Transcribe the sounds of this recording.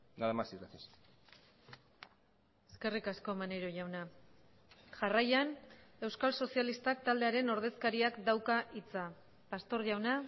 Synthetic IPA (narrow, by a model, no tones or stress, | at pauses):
naðemasiɾates | e̞skerikasko̞mane̞ɾo̞ʝawna | ʝarajane̞wskalso̞sialist̪ak̚t̪ald̪e̞aɾe̞no̞ɾð̞e̞skaɾiakd̪awkaʔit͡sa | past̪o̞ɾʝawna